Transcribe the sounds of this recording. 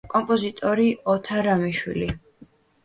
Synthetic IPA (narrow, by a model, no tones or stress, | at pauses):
kʼɔmpʼɔzit̪ʼɔɾiɔt̪ʰaɾamiʃwḭli